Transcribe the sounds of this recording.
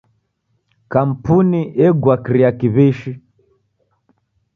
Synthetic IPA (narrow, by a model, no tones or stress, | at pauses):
kam̩puniʔɛɡwakɾiakiβiʃi